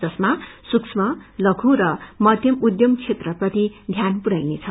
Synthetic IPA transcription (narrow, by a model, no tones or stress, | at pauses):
d͡zʌsmasuksʰmʌlʌkʰuɾʌmʌd̪jʌmud̪jʌmkʰet̪rʌprʌt̪id̪ʱjanpuɾajnet͡sʰʌ